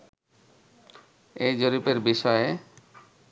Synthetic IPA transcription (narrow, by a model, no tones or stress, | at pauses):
ejd͡ʑoɾipeɾbiʃɔe